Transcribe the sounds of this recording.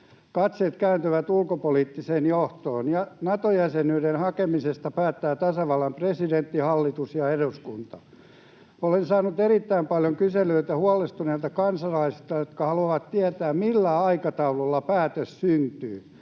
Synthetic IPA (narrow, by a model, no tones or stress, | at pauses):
kɑt̪set̪kæynt̪yʋæt̪ulkopoliːt̪ːiseːnjoht̪oːnjɑnɑt̪ojæsenyiɾenhɑkemisest̪ɑpæːt̪ːæːt̪ɑsɑʋɑlːɑmpresident̪ːihɑlːit̪usjɑeɾuskunt̪ɑ | olensɑːnut̪erit̪ːæimpɑljoŋkyseløit̪æhuɑlest̪uneiːlt̪ɑkɑnsɑlɑisi̥st̪ɑjot̪kɑhɑluɑʋɑt̪t̪iæt̪æːmmilːæɑikɑt̪ɑulolːɑpæːt̪øssynt̪yː